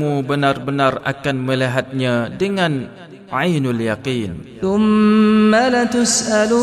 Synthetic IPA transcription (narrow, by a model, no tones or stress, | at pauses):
mubənarbənara̰kanmə̃liɦat̪̚ɲãdəŋãn | ʕajnaljaqiːnθʊmːalat̪ʊsʔal